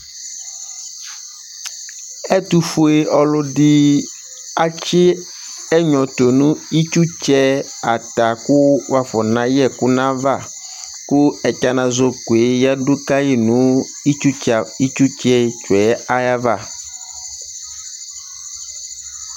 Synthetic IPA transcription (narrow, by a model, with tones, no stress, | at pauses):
ɛ˦t̪u˦fo˦e˦ɔ˨lʊ˦dɪ˦ | a˦t͡ʃɪ˦ | ɛ˦ɲɔ̃˨t̪o˨nũ˦i˦t͡ʃu˦t͡ʃɛ˦ | a˨t̪a˨kʊ˦wa˨fɔ˨nã˨jɛ˦˨kʊ˦nã˦va˦˨ | kʊ˦ɛ˨t͡ʃa˦nã˨zo˦ku˨e˨˦ja˦dʊ˦ka˦ji˦nũ˦ | i˦t͡ʃu˦t͡ʃa˨i˦t͡ʃu˦t͡ʃɛ˦t͡ʃɛ˦a˦ja˦va˦˨